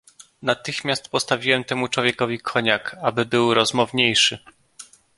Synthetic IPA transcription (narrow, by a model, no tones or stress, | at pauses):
nat̪ɘxmʲjast̪pɔst̪avʲiwɛmt̪ɛmut͡ʂwɔvʲjɛkɔvʲikʰɔɲakabɘbɘwɾɔzmɔvɲejʂɘ